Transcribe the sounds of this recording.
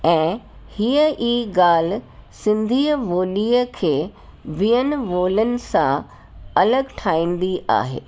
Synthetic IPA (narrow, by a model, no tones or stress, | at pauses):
ɛ̃ː | hiəʔiːɡaːl̤̆sɪ̃nd̪ʱiːəʋoːliːəkʰeː | ʋiːənɪ̆ʋoːlənɪ̆sã̰ | ɐləɡʈʰaːĩːn̆d̪iʔa̰ːɦḛː